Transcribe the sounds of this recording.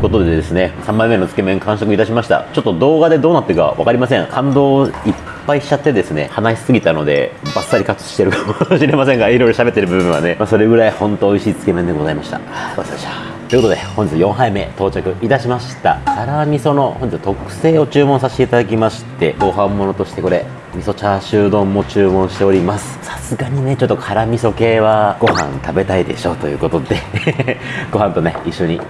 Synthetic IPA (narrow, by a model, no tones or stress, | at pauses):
ko̞t̪od̪e̞d̪e̞sɨne̞sãmbaime̞not͡sɨ̥ke̞mẽ̞ŋkãɰ̃s̬okɯ̟it̪aɕimaɕi̥t̪a̰t͡ɕo̞t̪ːo̞d̪o̞ːɡad̪e̞d̪o̞ːnat̪ːeka̰βa̰kaɾʲimas̬ẽ̞ŋhãnd̪o̞ːippːaiɕi̥t͡ɕat̪ːe̞d̪e̞sɨne̞̰hanaɕi̥sɨɡʲit̪ano̞d̪ḛbasːaɾʲikat͡sɨ̥ɕi̥t̪eɾɯ̟kamoɕiɾe̞masẽ̞ŋɡaiɾoiɾo̞ɕabe̞t̪ːeɾɯbɯ̟bɯ̟ɰ̃βa̰nemaso̞ɾe̞ɡɯ̟ɾaihõ̞nt̪oːiɕiːt͡sɨ̥ke̞mẽ̞nd̪eɡo̞zaimaɕi̥t̪a̰osaea | t̪oɨkot̪od̪ehõ̞ɲd͡ʑit͡sjõ̞ɰ̃ɦaime̞̰t̪o̞ːt͡ɕakɯ̟ʔit̪aɕimaɕi̥t̪a̰kʰaɾamʲiso̞no̞hõɲ̟d͡ʑit͡sːt̪okɯ̟̥se̞ːo̞t͡ɕɨːmõsaɕi̥t̪eit̪ad̪ak̬ʲimaɕi̥t̪e̞ɡo̞ɦãmːo̞no̞t̪o̞ɕi̥t̪e̞ko̞ɾe̞ | mʲiso̞t͡ɕaɕɨːd̪õ̞mːo̞t͡ɕɨːmõ̞ɰ̃ɕi̥t̪e̞o̞ɾʲimasɨ̥sḁsɨɡaɲ̟ine̞t͡ɕo̞t̪ːokʰaɾamʲiso̞ke̞ːβ̞aɡ̥o̞hã̰nt̪abe̞t̪aid̪e̞̰ɕo̞t̪o̞jɯ̟ːko̞t̪o̞d̪e̞ | ɡ̥o̞ɦãnt̪o̞neiɕːo̞ɲ̟i